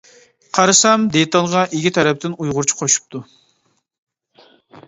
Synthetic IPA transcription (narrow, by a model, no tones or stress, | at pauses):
qʰɑɾɨsɑmd̪et̪ɑlˠʁɑʔekʲit̪ʰɛɾɛp̚t̪ɪnujʁʊɾt͡ʃʰu̥qʰoʃu̥p̚t̪ʰu